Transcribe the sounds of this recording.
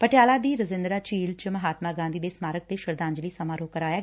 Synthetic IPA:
pəʈjaːlad̪iːɾəzɪ̃nd̪ɾat͡ʃiːlt͡ʃəmɐɦaːt̪maɡãːnd̪iːd̪eːsmaːɾək̚t̪eʃəɾd̪ãːɲd͡ʒliːsɐmaːɾoːkəɾaːja

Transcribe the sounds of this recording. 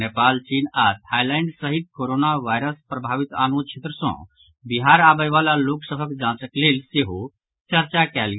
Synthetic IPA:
nepaːlt͡ʃiːnat̪ʰajlaɪɳɖsəɦit̪̚koɾoːnaʋajɾəspɾɐbʱaːʋit̪a̰ːnũt͡ʃʰet̪ɾəsɔ̰̃ | biɦaːɾaːbəjʋaːlaloːksəbəkd͡ʒãːt͡ʃəkleːlseɦu | t͡ʃəɾt͡ʃakɛlɡ

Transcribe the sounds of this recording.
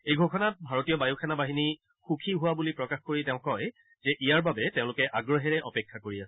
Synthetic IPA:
ejɡʱɔkʰɔnat̚bʱaɹotijɔbajukʰɛnabaɦini | xukʰiɦʊwabulipɹɔkaxkoɹitɛʊ̃kɔj | zɛʔijaɹbabɛtẽʊ̃lʊkɛʔaɡɹɔɦɛɹɛʔɔpɛkʰːakoɹiasɛ̥

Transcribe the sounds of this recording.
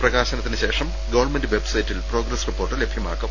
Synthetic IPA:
prɐɣaːɕɐnɐt̪ːinɨɕe̞ːʂɐm | ɡɐʋɐrnmendɨʋebsɐjitːilpro̞ːɡɾɐsripːo̞ːrʈːɨlebʱjɐma̰ːkːɐ

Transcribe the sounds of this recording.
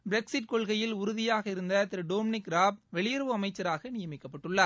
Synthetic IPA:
bɪɾɛksɪʈ̚kɔɭɣɐjɪlʊɾʊðɪjaːɣɐɪɾɯnd̪ɐt̪ɪɾɯɖoːmɪnɪkɾaːb̚ʋɛɭɪjɐɾɐʋɯɐmɐɪt͡ʃːɐɾaːɣɐnɪjɐmɪkːɐpːɐʈːɯɭːɐɾ

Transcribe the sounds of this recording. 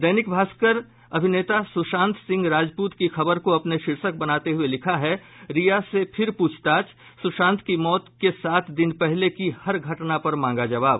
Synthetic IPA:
d̪ɛːnɪkbʱaːskəɾ | ɐbʱɪneːt̪asʊʃãːnt̪ʰsɪ̃ŋɡɾaːd͡ʒpuːt̪kixɐbəɾkoɐpneʃɪɾʃək̚bɐnaːt̪eɦuelɪkʰaɦɛɾijasepʰɪɾpuːt͡ʃʰt̪aːt͡ʃ | sʊʃãːnt̪ʰkimɔːt̪kesaːt̪ʰd̪ɪnpɛɦlekihɐɾɡʱɐʈnapɐɾmãːŋɡad͡ʒɐʋaːb

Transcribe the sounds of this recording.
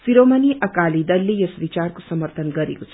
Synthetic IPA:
fiɾomɐniʔɐkaːlid̪ɐlːijɐsʋit͡ʃaɾkusɐməɾt̪ʰənɡʌɾḭkot͡sʰ

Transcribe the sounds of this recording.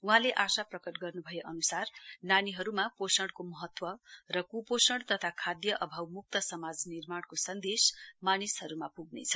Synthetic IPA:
uɦãleʔasaprʌkʌʈɡʌrnubʱʌjeʔʌnusarnaniɦʌɾumaposʌɽkomʌɦʌt̪wʌrʌkuposʌɽt̪ʌt̪ʰakʰad̪jʌʔʌbʱawmuk̚t̪ʌsʌmad͡znirmaɽkosʌnd̪esmanishʌɾumapuɡnḛt͡sʰʌ̥

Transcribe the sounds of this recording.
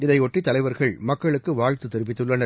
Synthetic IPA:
ɪðɐɪɔʈːit̪ɐlɐɪʋɐɾɣɐɭmɐkːɐɭɯkːɯʋaːɻt̪ɯt̪ɪɾɯʋɪt̪ːɯɭːɐnɐ

